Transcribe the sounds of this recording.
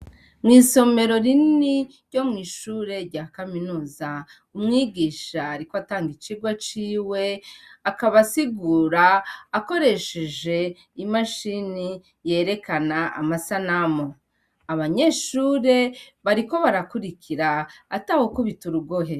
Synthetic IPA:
mŋiːso̞me̞ɾo̞ɾiniɾɟo̞mŋiːʃuːɾe̞ɾɟaːkaminuːza | umŋiːɡiːʃaːɾikoataːŋɡit͡ʃiɡwat͡ʃiːwe̞akaβasiɡuːɾaːko̞ɾe̞ʃe̞ʒe̞ | imaʃini | je̞ːɾe̞kanaa̰masanamo | aβaɲe̞ʃuːɾe̞βaɾiko̞βaɾakuɾikʰiɾaːtaho̞kuβituɾuɡoɦe

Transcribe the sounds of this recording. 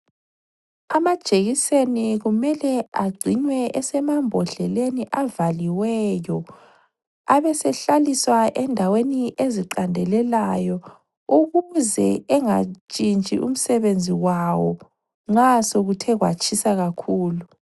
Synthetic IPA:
amad̥ʒ̥ʼʱeɣiseniɣumɛlɛaɡ͡ǀʱinwɛɛsɛmambʱɔɬɛleniʔavaliwɛjɔ | aβɛsɛɬaliswaʔɛndʱaweniʔeziǃandʱɛlɛlajɔ | uɣuzɛɛŋat͡ʃʼint͡ʃʼḭʔṵm̩sɛβend͡zʱiwawɔ | ŋ͡ǁasoɣutʰɛɣwa̰t͡ʃʰisaɣakʰuːlu

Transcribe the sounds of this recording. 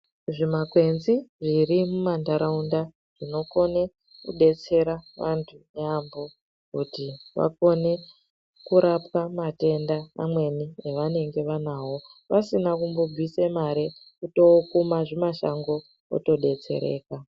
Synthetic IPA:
ʐimakwe̞nziʐirimumandaɾaunda | ʐ̥ino̞ko̞ne | kṵɗe̞t͡se̞ɾaʋantʰuneambo̞ | kutiʋa̰ko̞ne̞ | kuɾapwamate̞ndana̰mwe̞nieʋane̞ŋɡe̞ʋanaːwo̞ʋasinakumbo̞b͡visemaɾe | kuto̞kumaʐemaʃa̰ŋɡo̞ | o̰to̞ɗe̞t͡se̞̰ɾe̞̰ːka

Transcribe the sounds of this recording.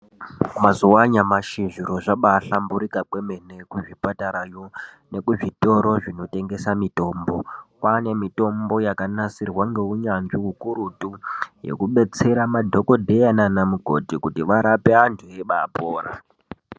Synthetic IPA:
mazuwaɲamaʃiʐiɾo̞ʐaɓaɬambuɾikakwe̞mene̞kuʐipataɾajo | ne̞kuʐito̞ɾo̞ʐino̞te̞ŋɡe̞samito̞ːmbo̞kane̞mito̞mbo̞jakanasirwaŋɡe̞uɲanʐikukuɾutuje̞̰kuɓe̞t͡se̞ɾamadʱo̞ko̞dʱe̞jananamuɡʱo̞̰tikutiʋaɾapeantʰueɓapoːɾa̰

